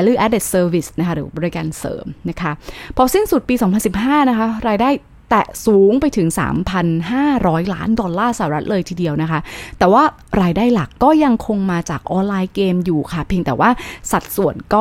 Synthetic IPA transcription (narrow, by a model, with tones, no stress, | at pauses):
ɛ˦˥lɯː˧˩ʔɛː˦˥de˨˩t̪̚sɤː˧wi˨˥˩sna˦˥kʰa˦˥ɾɯː˩˦bɔː˧ɾi˦˥ka̰ː˧nsɤ̰ː˩˦mna˦˥kʰa˦˥pʰɔ˦˥si˥˩nsu˨˩t̪̚piː˧sɔː˨˩˦ŋpʰa˧nsi˨˩p̚ɦaː˥˩na˦˥kʰa˦˥ɾaː˧jdaː˥˩j | t̪ɛ˨˩ʔsuː˨˩˦ŋpa˧jt̪ʰɯ˩˦ŋsa̰ː˩˦mpʰa˧nɦaː˥˩ɾɔː˦˥jla̰ː˦˥ndɔ˧nlːaː˥˩sa˧˨˩ɾa˦˥t̪̚lɤː˧jt̪ʰiː˧di˧əwna˦˥kʰa˦˥t̪ɛː˨˩waː˥˩ | ɾaː˧jdaː˥˩jla˨˩kːɔː˥˩ja˧ŋkʰo˧ŋmaː˧t͡ɕaː˨˩k̚ʔɔː˧nlaː˧jkeː˧mjuː˨˩kʰa˥˩pʰi˧ŋt̪ɛː˨˩wʔaː˥˩sa˨˩t̪̚su˨˩ənkɔː˥˩